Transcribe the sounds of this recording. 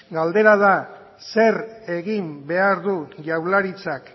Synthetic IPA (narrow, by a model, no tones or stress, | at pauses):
ɡald̪e̞ɾað̞a | se̞ɾe̞ɣimbe̞aɾðuʝawlaɾit͡sak